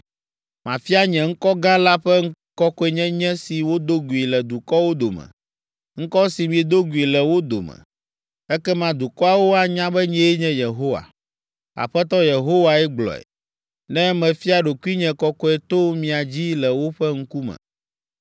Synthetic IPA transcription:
mã̰˨fi˦a˦ɲɛ̃˨ŋ̩˦kɔ˦ɡã˦la˦ɸɛ˦ | kɔ˦kɔ˦ɛ˨ɲɛ̃˦ɲɛ̃˦si˨wo˦d̪o˦ɡu˨i˨lɛ˨d̪u˨kɔ˦wo˦d̪o˨mɛ̰̃˨ | ŋ̩˦kɔ˦si˨mĩ˨e˨d̪o˦ɡu˨i˨lɛ˨wo˦d̪o̰˨mɛ̰̃˨ | ɛ˦kɛ˦mã˦d̪u˨kɔ˦a˨wo˦a˨ɲã˦bɛ˦ɲɛ̃˦e˦ɲɛ̃˦je˨ɦo˦wa̰˨ | a̰˨ɸɛ˦t̪ɔ˦je˨ɦo˦wa˨ɛ˦ɡ͡blɔ̰˨ɛ̰˨ | nɛ̃˦mɛ̃˨fi˦a˨ɖo˨ku˦i˦ɲɛ̃˨kɔ˦kɔ˦ɛ˨t̪o˦mĩ˨a˨d͡ʑi˦lɛ˨wo˦ɸɛ˦ŋ̩˦ku˦mɛ̰̃˨

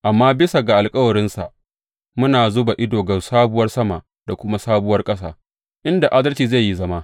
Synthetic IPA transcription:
ʔa˨mːaː˦bɪ˦sa˨ɡa˨ʔa˨lkʼɐ˦wɐ˨ɾɪ˦nsa̰˨ʔ | mʊ˦naː˨zʊ˦ba˨ʔɪ˦doː˨ɡɐ˨saː˦bʊ˦wɐ˦rsɐ˦ma˨ʔ | d̥a˨kʷʊ˦ma˦saː˦bʊ˦wɐ˦rkʼɐ˦sa̰ː˦ | ʔɪ˦nda˨ʔa˦dɐ˦lt͡ʃiː˨za˦˨jːi˦zɐ˦ma˦

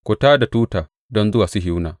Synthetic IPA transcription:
kʷʊ˨taː˦da˨tuː˦taː˨ | dɔ˦nzʊ˦waː˨sʊ˦ɦɪ˦wnaː˨

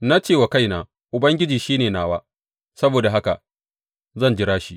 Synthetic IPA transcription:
na˦t͡ʃeː˦˨wa˨ka˦˨jnaː˨ | ʔʊ˨bɐ˦ŋɡʲɪ˦d͡ʒiː˨ʃiː˦neː˨naː˨waː˦ | sɐ˦boː˨da˨ɦa˦ka̰˨ | zɐ˦˨nd͡ʒɪ˦ɾaː˦ʃi˦

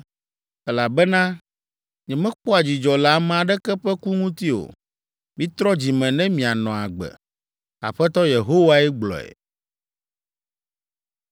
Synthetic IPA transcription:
ɛ˦la˨bɛ˦nã˦ | ɲɛ̃˨mɛ̃˦k͡pɔ˦a˨d͡ʑi˨d͡ʒɔ˨la˨m˦a˨ɖɛ˦kɛ˦ɸɛ˦ku˦ŋũ˦t̪i˦o̰˨ | mĩ˦t̪ɾɔ˦d͡ʑi˨mɛ̃˨nɛ̃˦mĩ˨a˨nɔ̃˨a̰˨ɡ͡bɛ̰˨ | a̰˨ɸɛ˦t̪ɔ˦je˨ɦo˦wa˦ɛ˦ɡ͡blɔ̰˨ḛ˨

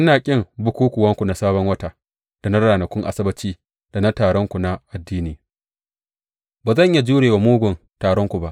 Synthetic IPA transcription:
ʔɪ˦naː˨kʲʼɪ˦ŋbʊ˦kʷuː˦kʷʊ˨wɐ˦ŋkʷu˨na˦saː˦bɔ˦ŋwɐ˦ta˦ | d̥a˨na˦ɾaː˨nɐ˨kʷʊ˦ŋʔa̰˨sɐ˦bɐ˦t͡ʃiː˦ | d̥a˨na˦taː˨ɽɔ˦ŋkʷu˨na˦ʔa˨dːiː˦niː˨ | baː˨zɐ˦˨ɲja˦d͡ʒuː˦ɽeː˨wa˨muː˦ɡʷʊ˨n | taː˨ɽɔ˦ŋkʷu˨ba˦ʔ

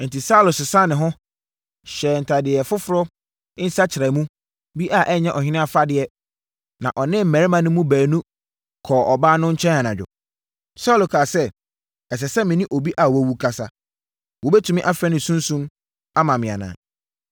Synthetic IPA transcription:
n̩˨ti˨sa˦˨lʊ˨sʊ˨sã˦˨nːɪ̃˨ɦɔ̃˦ | ɕɛː˨n̩˨tʰa˨dɪ˨ɛ˨fʊ˦fʊ˦ɾɔ˦ | ɪ˦n̩˦sa˦t͡ɕʰɪ˨ɾa˨˦mũ˦ | bi˦ʔa˦˨ʔɛ˦ɲɛ̃˦ʔɔ˨hɪ̃˦nɪ̃˦a˨fa˦dɪ˨ɛ˦ | nã˨ʔɔ˨nɪ̃˦m̩˨mæ̃˨ɾmã˨nʊ̃˦mũ˦bæː˨nũ˦ | kʰɔː˨ʔɔ˨baː˦nʊ̃˦ɲ̩˦t͡ɕʰɛ̃˦na˨nã˨d͡ʑᶣʊ̰˨ | sa˦lo˨kʰaː˨sɛ˦ | ɛ˨s̬ɛ˨sɛ˦mɪ̃˨nɪ̃˦ʔo˨bi˦ʔa˨wɔ˦wu˦kʰa˦sa˦ | wɔ˨bɛ˦tʰũ˨mɪ̃˦ʔa˦fɛ̃˦nɪ̃˨sũ˦n˦sũ˦m | a˦mã˨mɪ̃˨a̰˨nã̰ː˨

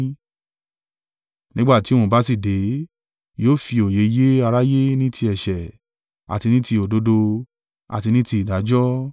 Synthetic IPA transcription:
nĩ˦ɡ͡ba˦˨ti˨˦w̃õ˧ba˦si˦˨de˨˦ | joː˦˨fi˧o˨je˨˦je˦a˧ɾa˦je˦nĩ˦tʰi˧ɛ˨ʃɛ˨ | a̰˨ti˧nĩ˦ti˧o˨do˨˦do˧ | a̰˨ti˧nĩ˦ti˧i˨da˨˦d͡ʒɔ˦

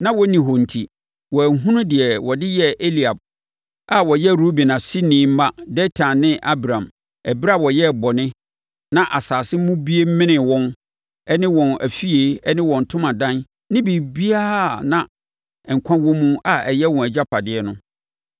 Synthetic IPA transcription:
nã˦wɔ˦nĩ˨ɦɔ˨n̩˨tʰi˨ | wɔ˨æ˨ɦũ˦nʊ̃˦dɪ˨ɛ˨wɔ˨dɪ˦jɛ˦e˦li˨a˨b̚ | a˨wɔ˨jɛ˦ɾo˦bi˨nã˨si˦nĩː˨˦m̩˦ma˦dɛ˦tʰã˨nːɪ̃˦ʔa˦bɾã˨m | ɛ˨bɾa˦˨wɔ˨jɛ˦˨bɔ˨nɪ̃˦ | nã˦ʔa˨saː˨sɪ˦mũ˦bi˦e˦m̩˦mɪ̃˦nɪ̃˨wɔ̃˦n | ɛ˦nɪ̃˦wɔ̃˨næ̰˨fi˦e˨˦ɛ˦nɪ̃˦wɔ̃˨n̩˨tʰʊ̃˦mã˨dã˦n | nɪ̃˦bi˨bi˦aː˦˨nã˨ | ɛ˨ŋ̩˨kʷʰã˦wɔ̃˦mũ˦a˨ɛ˨jɛ˦wɔ̃˨æ˨d͡ʑa˦pʰa˨dɪ˨ɛ˦nʊ̃˦

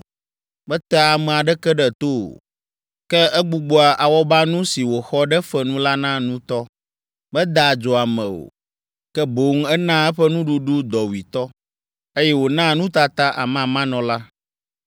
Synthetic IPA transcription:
bɛ˦t̪a˦a˨mɛ̃˨a˨ɖɛ˦kɛ˦ɖɛ˨t̪o˦o̰˨ | kɛ˦ʔɛ˦ɡ͡bu˨ɡ͡bo˨˦a˨ʔa˨wɔ˦ba˦nũ˦si˨wo˨xɔ˦ɖɛ˦fɛ˨nũ˦la˦nã˦nũ˦t̪ɔ˦ | bɛ˦d̪a˨d͡ʒɔ˨a˨mɛ̃˨o̰˨ | kɛ˦bo˨ŋ˦ɛ˦nã˦ɛ˦ɸɛ˦nũ˦ɖu˦ɖu˦d̪ɔ˨wi˨t̪ɔ˦ | e˦jɛ˦wo˨nã˦nũ˦t̪a˦t̪a˦ʔa̰˨mã˨mã˦nɔ̃˨la˦

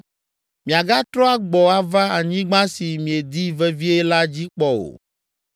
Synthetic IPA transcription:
mĩ˨a˨ɡa˦t̪ɾɔ˦a˦ɡ͡bɔ˨a˦va˦a˨ɲĩ˦ɡ͡bã˦si˨mĩ˨e˨d̪i˦vɛ˦vi˦ɛ˦la˦d͡ʑi˦k͡pɔ˦o̰˨

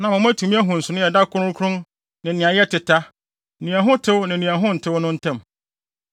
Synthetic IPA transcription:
nã˨mɔ̃˨mæ̃˦tʰu˨mĩ˦æ˦ɦũ˨n̩˨sʊ˨nʊ̃˦jɛ˨da˦kʰʊ˦ɾʊ̃˦kʰɾʊ̃˦n | nɪ̃˨nɪ̃˨ã˨jɛ˦tʰɪ˨tʰa˦˨ | nĩ˨a˨ɦʊ̃˦tʰɪ˦wnɪ̃˨nĩ˨a˨ɦʊ̃˦n̩˨tʰɪ˦wnʊ̃˦n̩˦tʰã˦˨m

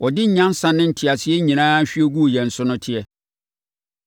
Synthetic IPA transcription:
ʔɔ˨dɪ˦ɲ̩˨ɲã˦n˦sã˨nːɪ̃˦n̩˨tʰi˨a˨sɪ˦ɛ˦ɲĩ˨nãː˦ɕᶣɥɛ˦ɡu˦˨jɛ̃˨n̩˨sʊ˦nʊ̃˦tʰɪ˨ɛ˦

